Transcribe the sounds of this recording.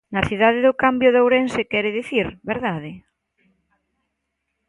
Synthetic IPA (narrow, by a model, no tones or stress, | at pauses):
nɐθiðaðeðʊkambjoðowɾensekɛɾɪðiθiɾβeɾðaðɪ